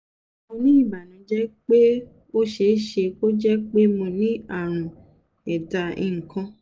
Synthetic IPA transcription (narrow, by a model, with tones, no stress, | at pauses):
mõ˧nĩ˦ĩ˦˨ba˨nũ˨˧˦d͡ʒɛ˦k͡pe˦ | o˦ʃe˧˨˦ʃe˧k͡po˦d͡ʒɛ˦k͡pe˦mõ˧nĩ˦a˦˨ɾ̃ũ˨ | ɛ˨da˧ḭ̃˨ŋ̩˨kã˧